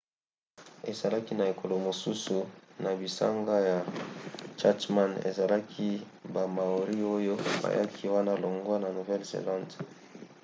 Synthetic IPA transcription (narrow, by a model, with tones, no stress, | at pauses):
e˨za˨la˦ki˦na˨e˨ko˨lo˨mo˨su˦su˨na˨bi˨sa̰˦ŋɡa˦ja˨ | t͡ʃa˦tma˦nḛ˨za˨la˦kʰi˦ | ba˨ma˨o˨ʁi˦o˦jo˦ba̰˨ja˦kʰi˦wa˦na˦˨lo˨ŋɡwa˦na˨nu˨vɛ˦lzḛ˨lã˦nd